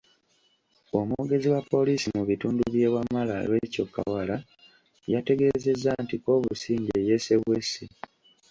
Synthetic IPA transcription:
o̞mwoɡe̞ziwapːo̞lisimuβituːnduβje̞ːwamːala̰lwe̞co̞kːa̰wala | jate̞ɡe̞ze̞zːantiko̞ːβusiːɲɟeje̞se̞βwe̞si

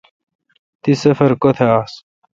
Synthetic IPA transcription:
t̪isɐfɐɾkot̪ʰaːs

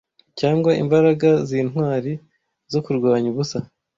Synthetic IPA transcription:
caːŋɡwaʔḭmbaɾaɡaziːnɦwaːɾi | zo̞kuɾɡwaːɲuβusa

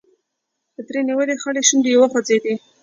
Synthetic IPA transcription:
d̪̥əd̪ɾeniwəlexəleʃund̪əjawaxwad͡zed̪i

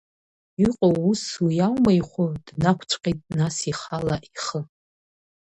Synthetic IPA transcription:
iqʼowuswijawmaiχʷʊd̥nakʷʰt͡sʷʰʼqʲʼejtʼnasiχalaʔiχə

